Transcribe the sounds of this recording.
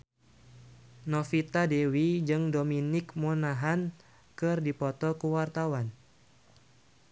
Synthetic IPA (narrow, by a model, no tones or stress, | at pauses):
nɔfit̪adewid͡ʒɨŋdominɪkmonaɦan | kɨrdipɔt̪ɔkuwart̪awan